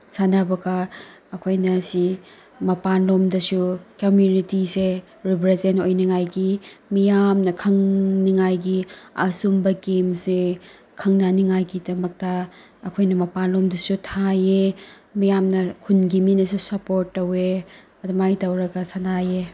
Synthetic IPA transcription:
sanabɐɡɐː | kʰojnɐsi | mɐpanlomdɐsukɐmjunitise | ɾipɾezentojniŋajɡimijamnɐkʰɐŋniŋajɡiɐsumbɐɡemse | kʰɐŋnaniŋajɡidɐmɐk̚tɐː | kʰojnɐmɐpanlomdɐsutʰaje | mijamnɐkʰunɡiminɐsusɐpoɾtːɐwe | ɐdɐmajtɐwɾɐɡɐsanaje

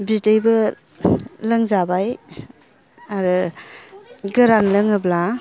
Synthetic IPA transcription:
bidejbɯ | lɯŋzabaj | aɾɯ | ɡɯɾanlɯŋɯbla

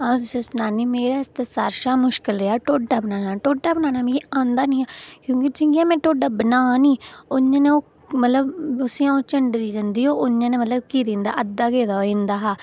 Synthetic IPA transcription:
ãt̪ʊsẽːsʊnaːniːmeːɾaːɪst̪ɛːsaːɾʃaːmʊʃkɪlɾeaːʈoːɖaːbənaːnaːʈoːɖaːbənaːnaːmĩãːnd̪aːnĩːaːkjõːkid͡ʒɪ̃ŋɡiãːmɛ̃ːʈoːɖaːbənaːnĩːoɲːãːnẽːoː | mət̪ləbʊsĩãːõːt͡ʃəɳɖɾiːd͡ʒənd̪iːɦoːʔoɲãːneːmət̪ləb̚kiːɾẽːnd̪a̰ːʔəd̪aːɡeːd̪aːoẽːnd̪aːɦaː

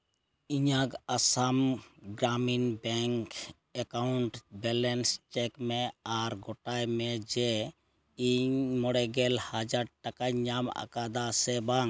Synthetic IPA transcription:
iɲakasamɡɾaminbɛŋk | ɛkawɳʈbɛlɛnst͡ʃɛkmɛaɾɡɔʈajmɛd͡ʒɛ | iɲmɔɽɛɡɛlhad͡ʒaɾʈakaɲama̰kad̪asɛbaŋ

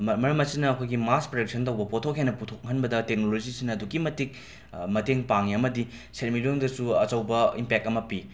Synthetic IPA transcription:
mɐɾɐmɐsinɐːkʰojɡimaspɾek̚sʰɐntɐwbɐpotʰokɦenɐputʰok̚hɐnbɐdɐtek̚nolod͡ʒisinɐːduɡimɐtik̚ | mɐteŋpaŋiɐmɐdi | seɾmiloŋdɐsuɐt͡ʃɐwbɐimpek̚tɐmɐpi

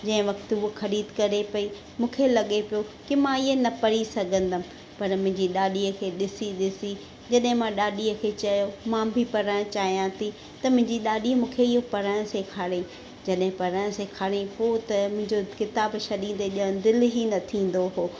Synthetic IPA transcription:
d͡ʑɐ̃ɦɪ̃ʋɐkt̪ɦuoxɐɾiːd̪kɐɾepɐi | mũːkʰelɐɠepijokimãɪɦenɐpɐɾisɐɡʱə̃nd̪a | pɐɾmʊ̃ɦɪ̃ɲd͡ʑiɗaːɗiːəkʰeːɗɪsiɗɪsi | d͡ʑɐɗɦɪ̃mãɗaːɗiəkʰeːt͡ɕɐjomãːbʱɪpɐɾəɽ̃t͡ɕaːɦijãt̪ʰi | t̪ɐmʊ̃ɦɪ̃ɲd͡ʑiɗaːɗimũːkʰeɪɦopɐɾəɽ̃sekʰaːɽẽ | d͡ʑɐɗɦɪ̃pɐɾəɽ̃sekʰaːɽẽpot̪ɐmʊ̃ɦɪ̃ɲd͡ʑokɪt̪aːbʃɐɗĩːd̪eʄə̃d̪ɪlɦinɐt̪ʰĩːn̆d̪oɦoː

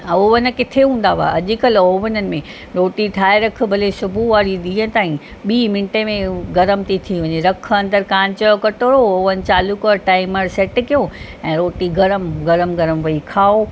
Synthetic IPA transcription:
oːʋənə̆kɪt̪ʰeɦũːn̆d̪aʋa̰ʔɐʄɪkɐloːʋənənɪ̆mẽ | ɾoːʈiʈʰaːeɾɐk̆ʰbʱɐlesʊbʱuʋaːɾiɗĩːə̃ɪt̪aːĩ | ɓiːmɪnʈemẽɡɐɾəmt̪it̪ʰiʋɐɲeɾɐk̆ʰɐ̃nd̪əɾkaːnt͡ɕɐjokɐʈoːɾooːʋənt͡ɕaːlukəʈaːɪməɾsɛːʈkijo | ɛ̃ːɾoːʈiɡɐɾəmɡɐɾəmɡɐɾəmʋɐikʰaːo

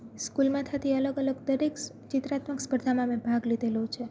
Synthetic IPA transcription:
skulmãt̪ʰat̪ʰiələɡələɡd̪əɾek | t͡ʃɪt̪ɾat̪məkspəɾd̪ʱamãmẽbʱaɡlid̪ʱelot͡ʃʰe

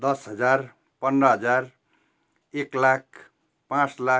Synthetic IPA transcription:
d̪ʌsɦʌd͡zar | pʌnɾʌɦʌd͡zar | eklak̚ʰ | pãt͡sla

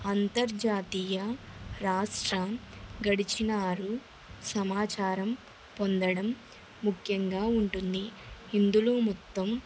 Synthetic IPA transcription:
ɐnt̪ɐɾd͡ʒaːt̪iːjɐɾaːʂʈɾɐɡɐɽit͡ʃinaːɾu | sɐmaːt͡ʃaːɾɐm | pond̪ɐɽɐmː | ukʰjɐŋɡaːuɳʈund̪iind̪uluːmɔt̪ːɐm

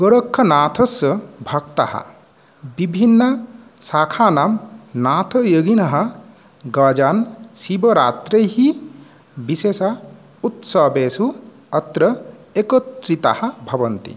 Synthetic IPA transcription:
ɡoɾəkʰːɐnaːt̪ʰɐsɐbʱɐk̚t̪a̰hɐ̰ | bibʱinːɐ | sakʰanamnaːt̪ʰɐjəɡinɐɦɐ | ɡad͡ʒansibɐɾat̪ɾəjɦi | bisesa | ut̪sɐbesu | ɐt̪ɾɐekɔt̪ɾit̪a̰hɐbʱɐbɐnt̪ḭ

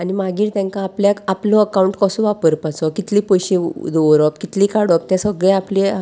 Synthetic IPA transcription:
animaɡiːɾt̪jãŋkãːpljakaplɔəkauɳʈkəsũʋapəɾpat͡sɔkit̪liːpojɕid̪oʋɾɔpkit̪liːkaɽɔp̚t̪ãsəɡɭɛ̃aple

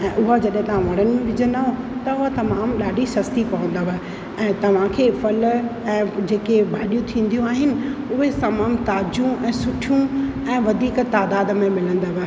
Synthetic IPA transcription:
ɛ̃ːʔʊɦad͡ʑɐɗɪ̃t̪ɐʋ̤ãʋɐɽ̤̃ənɪ̆mẽʋɪd͡ʑənd̪aɦo | t̪ɐʊɦat̪ɐmaːmɗaːɖʱisɐst̪ipɐʋə̃n̆d̪əʋɪ̆ | ɛ̃ːt̪ɐʋ̤ãkʰeːfɐlɛ̃ːd͡ʑeːkebʱaːɗijũt̪ʰĩːn̆d̪ijũaːɦɪnɪ̆ʊɦesamaːmt̪aːd͡ʑũʔɛ̃ːsʊʈʰijũ | ɛ̃ːʋɐd̪ʱiːkt̪aːd̪aːd̪mẽmɪlə̃nd̪əʋɪ

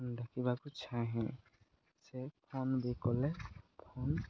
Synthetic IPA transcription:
ndakʰibakut͡ʃʰãɦɛ̃ | sepʰonbekɔlɛpʰon

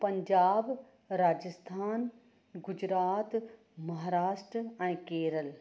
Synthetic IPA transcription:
pɐɲd͡ʒaːb | ɾaːd͡ʒəst̪ʰaːn | ɡʊd͡ʑɾaːt̪ | mɐɦaːɾaːʃʈɾəɛ̃keːɾəl

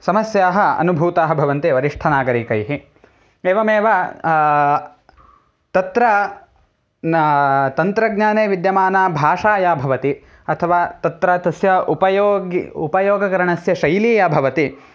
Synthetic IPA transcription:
sɐmɐsjaːɦɐɐ̰nubʱuːt̪aːɦɐbʱɐʋɐnt̪iʋɐɾiʂʈʰɐnaːɡɐɾikɐjɦi | eːʋɐmeːʋɐ | t̪ɐt̪ɾɐ | t̪ɐnt̪ɾɐɡɲaːneːʋid̪jɐmaːnaːbʱaːʂaːjaːbʱɐʋɐt̪i | ɐt̪ʰɐʋaːt̪ɐt̪ɾaːt̪ɐsjɐupɐjoːɡupɐjoːɡɐkɐɾɐɳɐsjɐʃɐjliːjabʱɐʋɐt̪i

